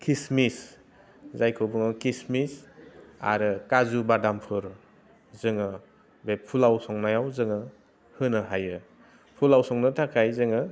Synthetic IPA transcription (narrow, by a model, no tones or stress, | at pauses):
kʰismis | zajkʰɯwbɯŋɯkismisa̰ɾɯkazubadampʰɯɾ | zɯŋɯ | bepʰulawsɔŋnajawzɯŋɯ | hɯnɯɦajɯ | pʰulawsɔŋnɯtʰakʰajzɯŋɯ